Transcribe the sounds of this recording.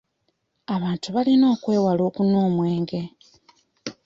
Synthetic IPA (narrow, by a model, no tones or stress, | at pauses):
aβaːntuβalino̞ːkwe̞ːwalo̞ːkunoːmwe̞ːŋɡe̞